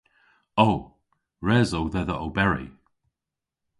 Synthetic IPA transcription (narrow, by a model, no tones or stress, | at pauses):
ow | ɹɛːzowðɛðəowbɛɹḭ